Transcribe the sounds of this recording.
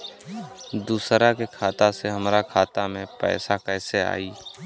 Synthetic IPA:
d̪uːsɾakekʰaːt̪aseɦəmɾakʰaːt̪amẽpɛ̰ːsakɛːsea̰ːiː

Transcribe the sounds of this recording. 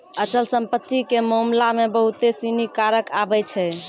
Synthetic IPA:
ət͡ʃəlsəmpət̪ːikemomlamebəɦut̪esinikaɾəkabɛt͡ʃʰɛ

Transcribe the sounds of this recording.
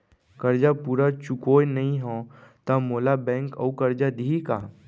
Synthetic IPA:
kɐɾd͡ʒapuːɾat͡ʃukoːjnɐɦĩɦõːt̪amoːlabɛ̃ːŋkɐ̰ukɐɾd͡ʒad̪iikaː

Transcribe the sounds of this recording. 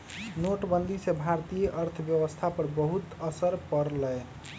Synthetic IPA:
noʈbənd̪ʱisẽbʱaɾt̪ijəʔəɾt̪ʰəbjəwəst̪ʰapəɾbəɦut̪əsəɾpəɾlɛj

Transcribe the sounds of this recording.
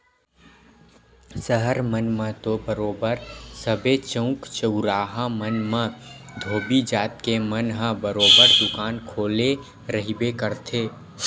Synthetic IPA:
səɦəɾmənmə̃t̪obəɾoːbəɾsəbet͡ʃə̃ʊ̃kt͡ʃəʊɾaːɦãmənmə̃d̪ʱoːbid͡ʒaːt̪kemənɦãbəɾoːbəɾd̪ʊkaːnkʰoːle | ɾəɦibekəɾt̪ʰeː

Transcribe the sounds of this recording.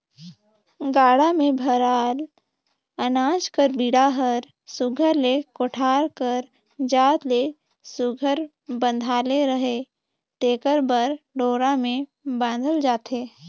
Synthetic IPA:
ɡaːɽamẽbʱəɾaːl | ənaːd͡ʒkəɾbiɽaɦəɾ | sʊɡʱəɾlekoʈʰaːɾkəɾ | d͡ʒaːt̪le | sʊɡʱəɾ | bə̃nd̪ʱaːleɾəɦe | t̪eːkəɾbəɾɖoːɾamẽ | bãːnd̪ʱəld͡ʒaːt̪eː

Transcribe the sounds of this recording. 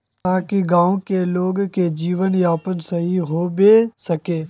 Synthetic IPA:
t̪aːkiɡãːõkeloːɡked͡ʒiːʋənjaːpənsɐɦiɦoːbesɐkeː

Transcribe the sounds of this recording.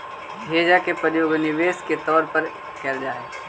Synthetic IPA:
bʱeːd͡ʒakepəɾjoːɡnɪʋeːsket̪ɔːɾpɐɾ | kɛɾd͡ʒaːeː

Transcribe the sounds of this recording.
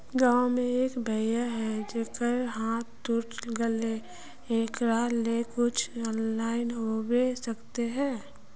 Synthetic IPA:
ɡãːmẽeːkbʱəjaɦɛd͡ʒekəɾɦãt̪t̪ʊʈɡəle | eːkɾaːlekʊt͡ʃʰɔːnlaːɪnɦowesəkt̪eɦɛ̃ː

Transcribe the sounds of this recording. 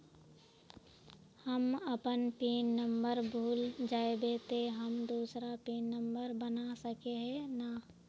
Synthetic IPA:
həməpənpiːnːə̃mbəɾbʱuːld͡ʒaːebeːt̪eɦəmd̪uːsɾapiːnːə̃mbəɾbənasəkeɦɛnaː

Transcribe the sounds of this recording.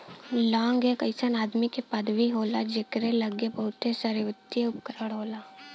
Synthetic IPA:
lãːŋɡekɐɪsənaːd̪mikepɐd̪ʋiɦoːlad͡ʒekɾelɐɡebəɦʊt̪esəɾʋət̪ijeʊpkəɾəɽɦoːlaː

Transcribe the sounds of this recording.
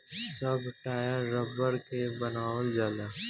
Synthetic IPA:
sɐbʈaːjaɾɐbəɾkebɐnaːʋəld͡ʒaːlaː

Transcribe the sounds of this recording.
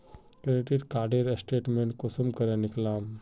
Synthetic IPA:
kɾeʈeɖkaːɾɖeɾesʈeːʈmeɳʈ̚kosəmkəɾaniklaːm

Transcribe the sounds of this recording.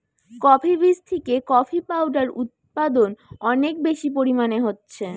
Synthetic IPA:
kɔpʰibɾist̪ʰikekɔfʰipawɖaɾut̪̚pad̪onɔnek̚beʃipoɾimaneɦotːɕʰe

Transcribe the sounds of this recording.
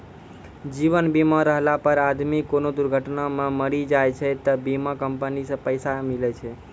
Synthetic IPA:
d͡ʒiʋənbimaɾəɦlapəɾad̪mikonod̪ʊɾɡʱəʈnamãməɭid͡ʒajt͡ʃʰet̪əbimãkəmpənispəjsamilet͡ʃʰe

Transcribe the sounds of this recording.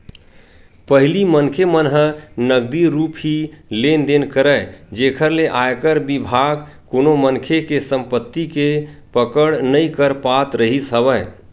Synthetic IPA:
pəɦilimənkʰemənɦənəɡd̪iɾupɦilend̪enkəɾəjd͡ʒekʰəɾleʔajkəɾbibʱaɡ | konomənkʰekesəmpət̪ːikepəkəɽnəjkəɾpat̪ɾəɦisɦəbə

